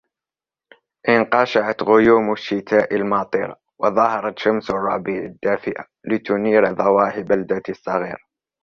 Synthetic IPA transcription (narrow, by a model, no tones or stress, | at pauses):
ʔɪnqɑʃaʕat̪ɣʊjuːmʊʃːɪt̪ʰaːʔalmɑt̪ˤḭɾˤɑ̰ | wɑðˤɑhɑɾˤɑt̪ʃamsʊrˤːɑbiːʕad̪ːaːfɪʔa | lɪt̪ʊniːɾðˤɑwɑːħɪbald̪asˤːɑɣḭːɾa